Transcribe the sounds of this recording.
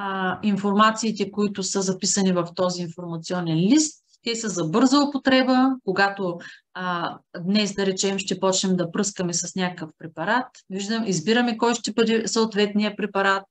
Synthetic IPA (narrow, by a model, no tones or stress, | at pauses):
infoɾmat̪siːt̪ɛkoit̪ʊsɤzɐpisɐnivɐft̪ɔziːnfoɾmɐt̪siɔnɛnlist̪ːɛsəzɐbɤɾzəʊpot̪ɾɛbəkoɡat̪o | d̪nɛsd̪ɐɾɛt͡ʃɛmʃt̪ɛpɔt͡ʃnɛmd̪ɐpɾɤskəmɛsɐsnʲakkəfpɾɛpɐɾat̪viʒd̪əmizbiɾɐmɛkɔjʃt̪ɛbɤd̪ɛsoot̪vɛt̪nijəpɾɛpɐɾat̪̚